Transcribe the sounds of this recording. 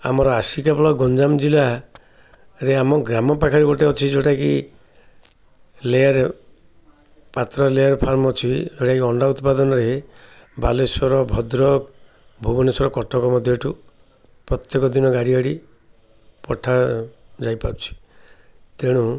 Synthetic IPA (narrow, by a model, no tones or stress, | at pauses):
a̰mɔɾɔasikapɔlɔɡɔnd͡ʒamd͡ʒila | ɾeamɔɡɾamɔpakʰaɾibɔʈeɦɔt͡ʃʰid͡ʒoʈaki | lejaɾe | pat̪ɾɔlejaɾpʰaɾmɔɦɔt͡ʃʰid͡ʒoʈakiɔɳɖaut̪pad̪ɔnɔɾe | balesɔɾɔbʱɔd̪ɾɔk | bʱubɔnesɔɾɔkɔʈɔkɔmɔd̪ʱjɔeʈu | pɾɔt̪jekɔd̪inɔɡaɽiaɽi | pɔʈʰad͡ʒajpaɾut͡ʃʰi̥ | t̪eɽ̃u